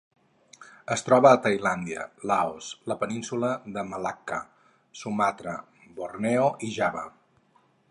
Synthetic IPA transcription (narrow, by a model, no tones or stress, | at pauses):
əst̪ɾɔβəːt̪əjland̪iə̰laosləpəninsuləðəməlakə̰ | sumat̪ɾə | borneoʔiʒaβə̰